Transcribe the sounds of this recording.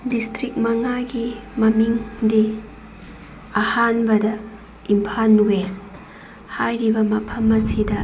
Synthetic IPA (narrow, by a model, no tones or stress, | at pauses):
distɾik̚mɐŋaɡimɐmiŋdi | ahanbɐdɐ | impʰanwes | hajɾibɐmɐpʰɐmːɐsidɐ